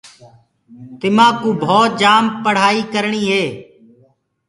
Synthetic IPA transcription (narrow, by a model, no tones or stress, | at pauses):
t̪ɪmãːkũːbʱoːt̪̚d͡ʒaːmpəɽ̤aːiːkəɾɳiːɦeː